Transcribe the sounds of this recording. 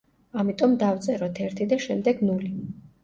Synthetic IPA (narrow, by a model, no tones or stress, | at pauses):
amit̪ʼɔmd̪aft̪sʼɛɾɔt̪ʰɛɾt̪ʰid̪aʃɛmd̪ɛɡnuli